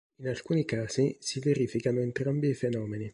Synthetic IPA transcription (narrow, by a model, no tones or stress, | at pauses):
inalkuːnikaːzisiveɾiːfikanoent̪ɾambiːfenɔːmeni